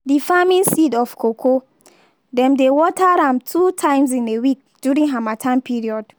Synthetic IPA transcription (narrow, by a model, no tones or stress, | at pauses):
difamĩnsidɔfkʰokʰo | dɛ̃mdewɔtaɾãmtʰutʰãɪ̃mzĩnewik̚ | d̥juɹĩŋɦamatʰãnpʰiɹiɔd̥